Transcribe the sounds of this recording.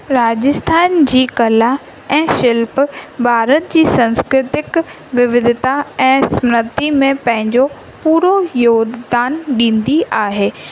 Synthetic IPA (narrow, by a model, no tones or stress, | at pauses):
ɾaːd͡ʑɪst̪ʰaːnd͡ʑiːkɐla | ɛ̃ːʃɪlpbʱaːɾət̪̚d͡ʑiːsɐ̃nskɾɪt̪ɪk | ʋɪʋɪd̪ʱɪt̪aɛ̃ːsmɾət̪imẽpɐ̃ɦɪ̃ɲd͡ʑo | puːɾojoːɡd̪aːnɗĩːn̆d̪iʔaːɦeː